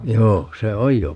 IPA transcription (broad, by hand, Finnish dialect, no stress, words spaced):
joː se oj jo